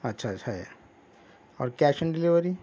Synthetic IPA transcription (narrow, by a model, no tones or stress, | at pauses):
ətːɕʰaːtːʰaja | ɔ̰ːɾkaɕənɖiliʋəɾi